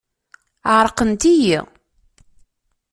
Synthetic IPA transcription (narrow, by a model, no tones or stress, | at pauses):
əʁɾˤəqənt̪ijḭ